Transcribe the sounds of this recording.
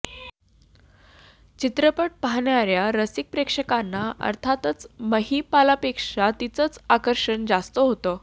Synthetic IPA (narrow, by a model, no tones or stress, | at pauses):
t͡ɕit̪ɾəpəʈ̚paɦɳjaɾjaɾəsik̚pɾekʂəkanːaə̰ɾt̪ʰat̪ət͡sməɦipalapekʂat̪it͡sət͡sakəɾʂəɳd͡zast̪əɦot̪ə